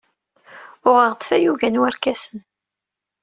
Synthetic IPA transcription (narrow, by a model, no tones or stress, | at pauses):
ʊʁəʁd̪θæjuʝænwæɾkæsən